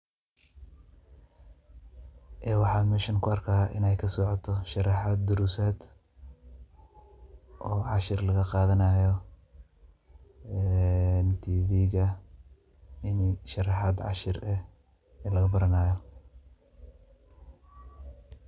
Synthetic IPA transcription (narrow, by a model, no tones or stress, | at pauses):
ʔɛːwɑħɑːd̪mɛːʃɐnkʰʊɐrkʰaːʔɪ̰nɛjkʰɐsɔʕɔt̪ʰɔʃɑrɑħaːd̪̚d̪ʊɾusaːd̪ | ʔɔːʕɑʃɪrlɐɣɐqɑːðɐnaːjɔ | ɛːnt̪ʰiːviːɣɐ | ɪniʃɐrɑħɑːd̪ʕɑ̰ʃɪrɛ | ɛːlɐɣɐbɐɾɐnaːjɔ